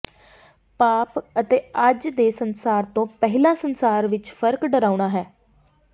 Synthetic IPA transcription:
paːpət̪eːəd͡ʒd̪eːsənsaːɾt̪õːpɛɦɪlãːsənsaːɾʋɪt͡ʃfʰəɾkɖəɾaːuɽ̃aːɦɛː

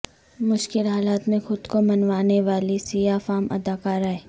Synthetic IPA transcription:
mʊʃkɪlɦaːlaːt̪mẽxʊd̪komɐnʋaːneʋaːlisijaːfaːmɐ̰d̪aːkaːɾɦɛː

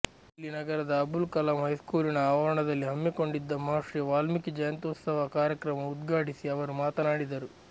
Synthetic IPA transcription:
ilːinɐɡɐɾɐd̪ɐːbulkɐlɐmɦɐjskuːlinɐaːʋɐɾɐɳɐd̪ɐlːiɦɐmːiko̞ɳɖid̪ːɐmɐɦaːʂɾiʋaːlmikid͡ʒɐjɐnt̪ut̪sɐʋɐkaːɾjɐkɾɐmɐud̪ɡaːʈisiɐʋɐɾumaːt̪ɐnaːɽid̪ɐɾu

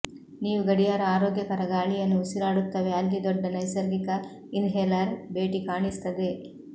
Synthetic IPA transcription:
niːʋuɡɐɽijaːɾɐaːɾoːɡjɐkɐɾɐɡaːɭijɐnːuːsiɾaːɽut̪ːɐʋe̞ɐlːid̪ɔɖːɐnɐjsɐɾɡikɐ | ind̪ɦeːlaːɾbe̞ːʈikaːɳist̪ɐd̪e

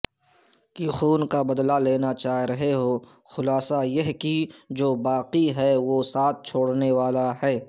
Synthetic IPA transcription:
kixuːnkabɐd̪laleːnat͡ʃaːɾɐɦeɦoː | xʊlaːsajɐɦkid͡ʒoːbaːqiɦɛʋoːsaːt̪̚ʰt͡ʃʰoːɽneʋaːlaɦɛː

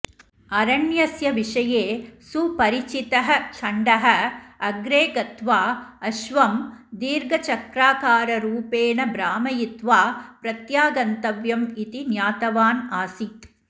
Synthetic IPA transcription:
ɐɾɐɳjɐsjɐʋiʂɐjeːsupɐɾit͡ʃit̪ɐɦɐ̆t͡ʃʰɐɳɖɐɦɐɐɡɾeːɡɐt̪ʋaːɐʃʋɐmd̪iːɾɡɐt͡ʃɐkɾaːkaːɾɐɾuːpeːnɐbɾaːmɐjit̪ʋaːpɾɐt̪jaːɡɐnt̪ɐʋjɐmit̪injaːt̪ɐʋaːnaːsit̪

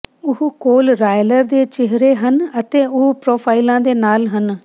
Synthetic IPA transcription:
ʊɦukoːlɾaːjləɾd̪eːt͡ʃɪɦɾeːɦənət̪eːʊɦpɾoːpʰaːilãːd̪eːnaːlɦən

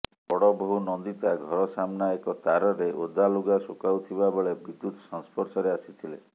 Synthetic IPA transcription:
pɔɽɔbɔɦunɔnd̪it̪aɡʱɔɾɔsamnaekɔt̪aɾɔɾeʔod̪aluɡasokawt̪ʰibabeɭebid̪ut̪sɔ̃ŋspɔɾsɔɾeasit̪ʰilḛ

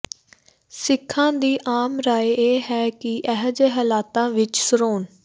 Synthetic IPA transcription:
sɪkʰːãːd̪iːʔaːmɾaːeeːɦɛːkɪʔɛɦd͡ʒeɦɛːlaːt̪ãːʋɪt͡ʃsəɾoːn

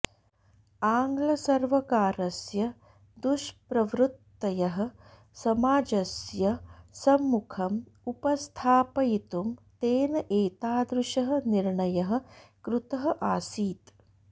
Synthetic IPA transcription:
aːŋɡlɐsɐɾʋɐkaːɾɐsjɐ | d̪uʃpɾɐʋɾut̪ːɐjɐɦɐ̆ | sɐmaːd͡ʒɐsjɐsɐmːukʰɐm | upɐst̪ʰaːpɐjit̪umt̪eːnɐʔeːt̪aːd̪ɾuʃɐɦɐ̆niɾɳɐjɐɦɐ̆kɾut̪ɐɦɐ̆ʔaːsiːt̪

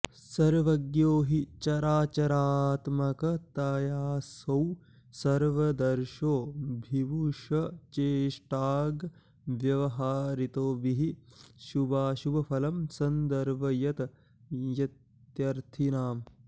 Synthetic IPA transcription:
sɐɾʋɐɡjoːɦit͡ʃɐɾaːt͡ʃɐɾaːt̪mɐkɐt̪ɐːjaːsɐw | sɐɾʋɐd̪ɐɾʃoːbʱiʋuʃɐt͡ʃeːʂʈaːɡ | ʋjɐʋɐɦaːɾit̪oːbiɦiʃubaːʃubɐpʰɐlɐmsɐnd̪ɐɾʋɐjɐt̪ɐ | jɐt̪ | jɐɾt̪ʰinaːm

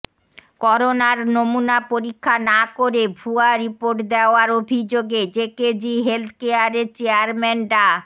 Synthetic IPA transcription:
kɔɾonaɾnomunapoɾikʰːanakoɾebʱuaɾipoɾʈd̪eoaɾobʱid͡ʑoɡed͡ʑeked͡ʑiɦelt̪ʰkeaɾeɾt͡ɕeaɾmɛnʈa

